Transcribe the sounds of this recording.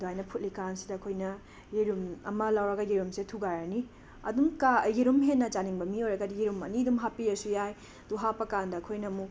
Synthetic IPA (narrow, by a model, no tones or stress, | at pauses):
duɦajnɐpʰut̚likansidɐːkʰojnɐ | jiɾumɐmɐlawɾɐɡɐjiɾumsetʰuɡaɾɐni | ɐ̰dumkajiɾumɦenːɐt͡ʃaniŋbɐmiojɾɐɡɐdijiɾumɐ̰nidumɦapiɾɐsujaj | d̥uɦapɐkandɐːkʰojnɐmu